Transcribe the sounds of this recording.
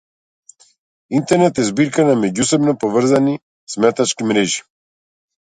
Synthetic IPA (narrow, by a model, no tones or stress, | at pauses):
int̪ɛɾnɛt̪ɛzbiɾkanamɛɟusɛbnɔpɔvr̩zani | smɛt̪at͡ʃkimɾɛʒi̥